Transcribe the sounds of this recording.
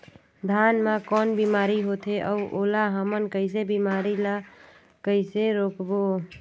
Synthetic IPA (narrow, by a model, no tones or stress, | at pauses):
d̪ʱanmakɔnbimaɾiɦot̪ʰeʔəʔolaɦəmənkəɪs̬ebimaɾila | kəɪseɾokbo